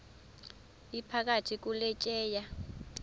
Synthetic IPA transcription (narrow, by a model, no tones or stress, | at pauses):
ipʰak̬atʰik̬ulɛt͡ʃʼɛːja